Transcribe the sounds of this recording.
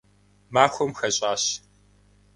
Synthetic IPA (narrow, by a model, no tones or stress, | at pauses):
maːxʷɔmxɐɕʼaːɕ